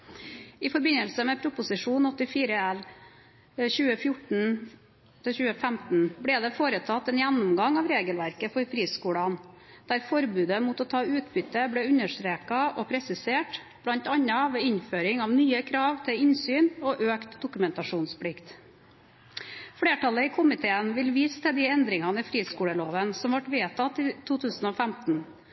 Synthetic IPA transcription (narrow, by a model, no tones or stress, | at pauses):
ɪfɔɾbɪnəlsəmɛpʰɾʊpʊsɪʂuːnɔt̪ɪfiːɾəɛl | çʉːəfjʊʈn̩ | t̪ʰɪlçʉːəfæmt̪n̩bɽɛd̪ɛfoːɾət̪ʰɑt̪ːɛnjænːʊmɡɑŋɑʋɾeːɡəlʋæɾkəfɔɾfɾiːskuːɽɑn | d̪̥æɾfɔɾbʉːd̪əmʊt̪ɔːt̪ʰɑːʉːt̪bʏt̪ːəblɛʉnəʂt̪ɾeːkɑɔpʰɾɛsɪseːʈ | b̥ɽɑnt̪ɑɲːɑʋeːɪɲføːɾɪŋɑʋnyːəkʰɾɑːʋt̪ʰɪɪnsyːnoʔøːkt̪d̪ʊkʉmɛnt̪ɑʂuːnspʰɽɪkt̪ | fɽeːʈɑləɪkʰʊmɪt̪ʰeːənʋɪlʋiːst̪ʰɛd̪ɪɛnd̪ɾɪŋɑnəɪfɾiːskuːɽəloːʋənsɔmʋɑʈʋeːt̪ʰɑt̪ːɪt̪ʰuːt̪ʰʉːsn̩ɔfæmt̪n̩